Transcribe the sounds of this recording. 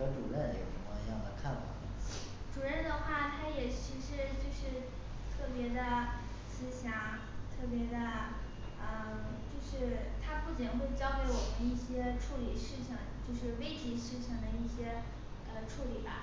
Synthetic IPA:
ɤ˧˥ʈ͡ʂṵ˨˩ɻə˥˩n˧˥˨ə˧˥m̰˧jɑ̰˥˩ŋlə˧kʰa˥˩nfɑ̰˨˩˦ | ʈ͡ʂu˨˩ɻə˥˩nd̪ə˩xwa˥˩t̪ʰa˥jɛ˨˩t͡ɕʰi˧˥ʂɻ̩˧˥˧t͡ɕjo˥˧ʊʂɻ̩˥˧ | t̪ʰɤ˥˩pjɛ˧˥d̪ə˧ | sɹ̩˧˥ɕjɑ˧˥˩ŋ | t̪ʰɤ˥˩p̬jɛ˧˥d̪ə˧ | ə˧˩ | t͡ɕjo˥˧ʊʂɻ̩˥˧t̪ʰa˥pu˥˩t͡ɕi˨˩nxwe˥˩ɪt͡ɕjɑ˥ʊke˧˥ɪwɔ˨˩mə˧˦i˥˩ɕjɛ˥ʈ͡ʂʰu˥˩li˨˩ʂɻ̩˥˩ɕɑ˧˥˩ŋt͡ɕjo˥˧ʊʂɻ̩˥˧we˥ɪt͡ɕi˧˥ʂɻ̩˥˩˧ɕɑ˥˩ŋd̪ə˩i˥˩ɕjɛ˥ | ə˧ʈ͡ʂʰu˥˩li˨˩bɐ̰˧˦

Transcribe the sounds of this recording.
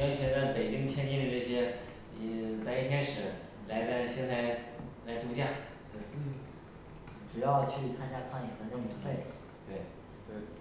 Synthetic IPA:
jo˥t͡ɕʰi˧˥nə˥˩pe˨˩ɪt͡ɕi˥ŋt̪ʰjɛ˥nt͡ɕi˥d̪ə˧ʈ͡ʂɤ˥˩ɕjɛ˥˨˩ | t͡sa˥˧ɪi˥˩t̪ʰjɛ˥nʂɻ̩˨˧˩ | la˧˥ɪt͡sa˥˧ɪɕjɛ˥˧nt͡sa˥˩ɪla˧˥ɪt̪u˧˥t͡ɕja˥˩ | t̪we˥˩ɪ˥˩ | ʈ͡ʂu˨˩jɑ˥˧ʊt͡ɕʰy˥˩t͡sʰa˥nt͡ɕja˥kʰa˥˩njɛ˨˩t͡sə˧˥jʊ˥˩ŋmjɛ˧˥nfe˥˩ɪ | t̪we˥˩ɪ | t̪we˥˩ɪ

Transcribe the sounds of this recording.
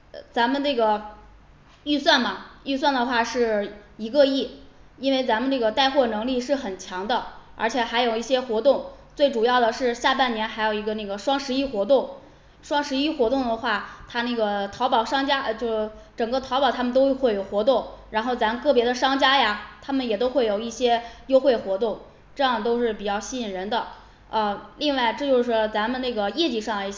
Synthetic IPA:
t͡sa˧˥nmə˨˧nɤ˥˩ɡə˩ | y˥˧swa˥˩nmɐ˩y˥˧s̬wa˥˩nd̪ə˩xwa˥˧ʂɻ̩˥˩i˧˥kɤ˥˧i˥˩i˥nwe˥˩ɪt͡sa˧˥mə˨˧nʈ͡ʂɤ˥˩ɡə˩t̪a˥˧ɪxwɔ˥˩nɤ˧˥ŋli˥˧ʂɻ̩˥˩xə˨˩nt͡ɕʰjɑ˧˥ŋd̪ə˧ə̰˞˧˥t͡ɕʰjɛ˨˩xa˧˥ɪjo˨˩ʊi˥˩ɕjɛ˥xwɔ˧˥t̪ʊ˥˧ŋt͡swe˥˩ɪʈ͡ʂu˨˩jɑ˥˩ʊd̪ə˩ʂɻ̩˥˧ɕja˥˧pa˥˩nnjɛ˧˥nxa˧˥ɪjo˨˩ʊi˧˥ɡə˧na˥˩ɡə˩ʂwɑ˥ŋʂɻ̩˧˥i˥˩xwɔ˧˥t̪ʊ˥˩ŋ | ʂwɑ˥ŋʂɻ̩˧˥i˥˩xwɔ˧˥t̪ʊ˥˩ŋd̪ə˩xwa˥˩t̪ʰa˥na˥˩ɡə˩t̪ʰɑ˧˥ʊpɑ˨˩ʊʂɑ˥ŋt͡ɕja˥˧t͡ɕjo˥˧ʊʂ̩˥˩ʈ͡ʂɤ˨˩ŋɡə˥˧t̪ʰɑ˧˥pɑ˨˩t̪ʰa˥mə˨nt̪o˥ʊ˥˧xwe˥˩ɪjo˨˩xwɔ˧˥t̪ʊ˥˩ŋɻa˧˥nxo˥˩ʊt͡sa˧˥mə˧kɤ˥˩pjɛ˧˥d̪ə˧ʂɑ˥ŋt͡ɕja˥ja˨˩t̪ʰa˥mə˨njɛ˨˩t̪o˥ʊxwe˥˩ɪjo˨˩ʊi˥˩ɕjɛ˥jo˥ʊxwe˥˩ɪxwɔ˧˥t̪ʊ˥˩ŋ | ʈ͡ʂɤ˥˧jɑ˥˩ŋt̪o˥ʊʂɻ̩˥˩pi˨˩t͡ɕjɑ˥˧ʊɕi˥i˨˩nɻə˧˥nd̪ə˧ | ə˧li˥˧ŋwa˥˧ɪʈ͡ʂɤ˥˧t͡ɕjo˥˧ʊʂɻ̩˥t͡sa˧˥mə˧nna˥˩ɡə˩jɛ˥˧t͡ɕi˥˩ʂɑ˥˩ŋlə˩i˥˩ɕ

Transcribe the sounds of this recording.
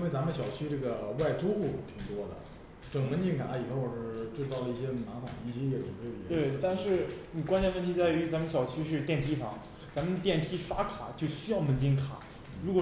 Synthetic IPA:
i˥nwe˥˩ɪt͡sa˧˥mə˧n˩ɕjɑ˨˩ʊt͡ɕʰy˥ʈ͡ʂɤ˥˩ɡə˩wa˥˩ɪʈ͡ʂu˥xu˥˩t̪ʰi˨˩ŋt̪wɔ˥d̪ə̰˨ | ʈ͡ʂɤ˨˩ŋmə˧˥nt͡ɕi˥˧ŋka˧˥li˨˩xo˥˧ʊwʂɻ̩˥˩ʈ͡ʂɻ̩˥˧t͡sɑ˥˩ʊlə˩i˥˩ɕjɛ˥na˧˥t̪ɑ˨˩ŋ˧i˥˩ɕjɛ˥jɛ˥˩ʈ͡ʂʰʊ˨˩ŋt̪we˥˩ə˧˨˧we˥˩ɪ˥t̪a˥˧nʂɻ̩˥˩ni˨˩kwa˥nt͡ɕʰjɛ˥wə˥˩nt̪ʰi˧˥t͡sa˥˩ɪy˧˥t͡sa˧˥mə˧nɕjɑ˨˩ʊt͡ɕʰy˥ʂɻ̩˥˧t̪jɛ˥˩np̪ʰi˥fɑ˧˥ŋ | t͡sa˧˥mə˧nt̪jɛ˥˩np̪ʰi˥ʂa˥kʰa˨˩˦t͡ɕjo˥˩ʊɕy˥jɑ˥˩ʊmə˧˥nt͡ɕi˥nkʰa̰˨˩˦ | ɻu˧˥kwɔ˨˩

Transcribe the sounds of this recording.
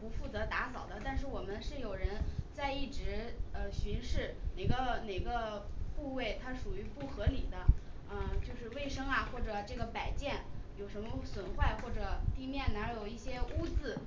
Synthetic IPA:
pu˧˥fu˥˩t͡sɤ˧˥t̪a˧˥sɑ˨˩ʊd̪ə˦t̪a˥˧nʂ̬ɻ̩˥˩wɔ˨˩mə˦nʂɻ̩˥˩jo˨˩ʊɻə˧˥nt͡sa˥˧ɪi˥˩ʈ͡ʂɻ̩˧˥ə˧ɕy˧˥nʂɻ̩˥˩ne˨˩ɪɡə˦ne˨˩ɪɡə˦pu˥˧we˥˩ɪt̪ʰa˥ʂu˨˩y˧˥pu˥˩xɤ˧˥ni˨˩d̪ə˦ | ə˧t͡ɕjo˥˧ʊʂɻ̩˥˧we˥˩ɪʂɤ˥ŋɐ˨˩xwɔ˥˩ʈ͡ʂɤ˨˩ʈ͡ʂɤ˥˩ɡə˩pa˨˩ɪt͡ɕjɛ˥˩njo˨˩ʊʂə˧˥nmə˧swə˨˩nxwa˥˧ɪxwɔ˥˩ʈ͡ʂɤ˨˩t̪i˥˧mjɛ˥˩nna˧˥jo˨˩ʊi˥˩ɕjɛ˥u˥t͡sɹ̩˥˩

